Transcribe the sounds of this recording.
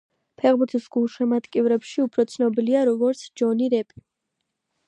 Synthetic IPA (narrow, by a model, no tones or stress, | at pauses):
pʰɛʁbuɾt̪ʰisɡ̥ulˠʃɛmat̪ʼkʼivɾɛpʃiupʰɾɔt̪sʰnɔbiliaɾɔɡɔɾt̪sʰd͡ʒɔniɾɛpʼi̥